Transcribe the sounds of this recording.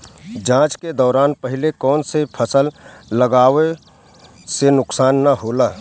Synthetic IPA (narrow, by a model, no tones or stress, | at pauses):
d͡ʒãːt͡ʃked̪ɔːɾaːnpəɦɪlekɔːnsepʰəsəlːəɡaːʋe | senʊksaːnːaɦoːlaː